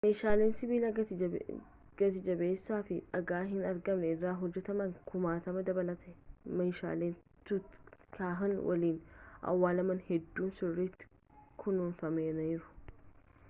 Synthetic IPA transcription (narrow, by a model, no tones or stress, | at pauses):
mejʃaːle̞ːnsɪbiːlɐ | ɡ̥ɐt̪ɪd͡ʒɐbe̞ːsːaːfɪᶑɐɡaːɦɪnɐɾɡɐmnɛɪrːaːɦɔd͡ʒːɛt̪ɐmɐŋkʊmaːt̪ɐmɐd̪ɐbɐlɐt̪ɛmɐjʃa̰ːleːn | t̪ʊt̪kaːɦɐnwʔɐ̰liːnʔɐ̰wːaːlɐmɐnhɛd̪ːuːnsʊrːit̪ːɪ̥ | kʰʊnuːnfɐmeːnɐjɪɾʊ̥